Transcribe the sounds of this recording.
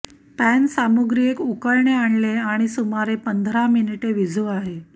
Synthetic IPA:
pænsamuɡɾiekukəɾɳeaɳleaɽ̃isumaɾepənd̪ʱɾaminiʈeʋid͡zʱuaɦe

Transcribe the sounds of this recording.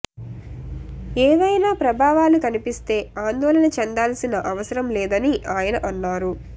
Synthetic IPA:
eːʋɐjnaːpɾɐbʱaːʋaːlukɐnipist̪e̞ːaːnd̪ɔːlɐnɐt͡ʃɛnd̪aːlsinɐʔɐʋɐsɐɾɐmlɛːd̪ɐniʔaːjɐnɐʔɐnːaːɾu

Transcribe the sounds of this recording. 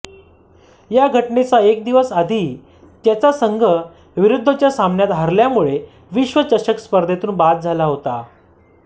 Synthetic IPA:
jaɡʱəʈnet͡saek̚d̪iʋəsad̪ʱi | t̪jat͡sasəŋɡʱə | ʋiɾud̪ʱːət͡ɕjasambɳjat̪ɦəɾljamuɭe | ʋiɕʋət͡ɕəɕəkspəɾd̪ʱet̪uːnbat̪̚d͡zʱalaɦot̪a̰

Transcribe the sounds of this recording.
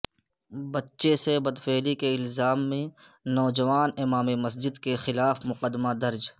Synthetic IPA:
bɐtːʃesebɐd̪feːlikeɪlzaːmːẽ | nɔːd͡ʒɐʋaːnɪmaːmemɐs̬d͡ʒɪd̪kexɪlaːfmʊqəd̪mad̪ɐɾd͡ʒ

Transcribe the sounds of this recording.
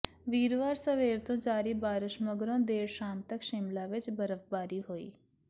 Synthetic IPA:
ʋiːɾʋaːɾsəʋeːɾt̪õːd͡ʒaːɾibaːɾɪʃməɡɾõːd̪eːɾʃaːmt̪əkʃɪmlaːʋɪt͡ʃbəɾəʋbaːɾiɦoːḭː

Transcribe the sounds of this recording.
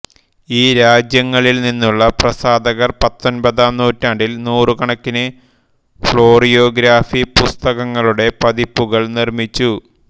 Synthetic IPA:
iːɾaːd͡ʑjɐŋːɐɭilninːuɭːɐprɐsaːd̪ɐɣɐrpɐt̪ːo̞nbɐðaːmnuːtːaːɳɖilnuːrɨkɐɳɐkːinɨ | fɭo̞ːrijo̞ːɡɾaːfipust̪ɐɣɐŋːɐɭuɽe̞pɐðipːuɣɐɭnirmit͡ɕːu

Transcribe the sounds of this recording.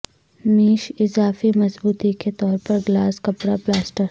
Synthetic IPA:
miːʃɪzaːfimɐzbuːt̪iket̪ɔːɾpɐɾɡlaːskɐpɾaplaːsʈəɾ

